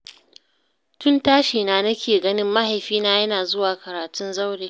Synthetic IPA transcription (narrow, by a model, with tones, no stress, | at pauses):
tʊ˦ntaː˦ʃiː˨naː˦nɐ˦kʲeː˨ɡɐ˦nɪ˦mːa˦ha˨jɸiː˦naː˦jɐ˦naː˨zʊ˦waː˨kɐ˨ɾaː˨tʊ˦nza˦wɽeː˨